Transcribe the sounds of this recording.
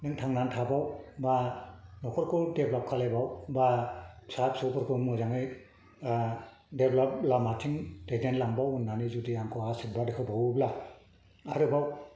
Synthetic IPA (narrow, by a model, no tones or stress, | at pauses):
nɯŋtʰaŋnantʰabawbanɔkʰɔɾkʰɯdeblap̚kʰalajbawbasap̚sɔkʰɔɾkʰɯmɔzaŋɯj | deblap̚lamatʰiŋdedenlaŋbawunːanizudiaŋkʰɔasit̚badekʰɯbawbla | aɾɯbaw